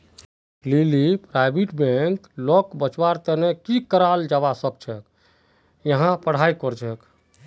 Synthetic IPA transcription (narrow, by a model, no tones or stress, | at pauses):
lilipɾajbiʈbeŋklɔkbət͡ʃbaɾt̪ənekikəɾald͡ʒabasəb̚t͡ʃʰɛk | jəɦãpəɽ̤ajkɔɾd͡ʒɛk